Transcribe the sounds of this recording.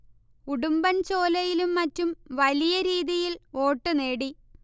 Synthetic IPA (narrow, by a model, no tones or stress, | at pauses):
uɽumbɐnt͡ɕo̞ːlɐjilumːɐtːumʋɐlijɐɾiːðijilo̞ːʈːɨneːɽi